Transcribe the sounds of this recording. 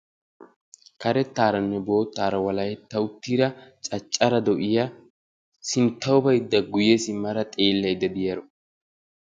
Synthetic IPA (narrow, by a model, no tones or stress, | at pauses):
kɐɾɛt̪ːaːɾɐnːɛbo̞ːt̪ːaːɾɐwɐlɐjɛt̪ːɐwʊt̪ːiːɾɐt͡ʃʼɐt͡ʃʼːɐɾɐd̪ɔʔɪjɐ | sɪnt̪ːɐwʊbɐjɪd̪ːɐɡʊjɛsɪmːɐɾɐt̪ʼeːlːɐjd̪ːɐd̪ɪjɐɾɔ